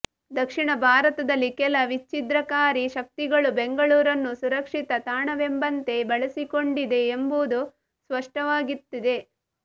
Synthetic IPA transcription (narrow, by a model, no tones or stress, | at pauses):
d̪ɐkʂiɳɐbʱaːɾɐt̪ɐd̪ɐlːikɛlɐʋit͡ʃːid̪ɾɐkaːɾiʃɐk̚t̪iɡɐɭubeŋɡɐɭuːɾɐnːusuɾɐkʂit̪ɐt̪aːɳɐʋembɐnt̪e̞bɐɭɐsiko̞ɳɖid̪e̞ːmbud̪u | sʋɐʂʈɐʋaːɡit̪ːid̪e̞